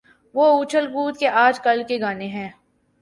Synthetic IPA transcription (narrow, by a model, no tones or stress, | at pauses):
ʋoːuːt͡ʃʰəlɡuːt̪̚keʔaːd͡ʒkɐlkeɡaːneɦɛ̃ː